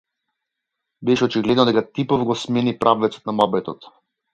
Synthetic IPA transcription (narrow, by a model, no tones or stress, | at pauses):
bɛʃɛɔt͡ʃiɡlɛd̪nɔd̪ɛkat̪ipɔvɡɔsmɛnipɾʔavvɛt̪sɔ̥t̪namabɛt̪ɔ̰t̪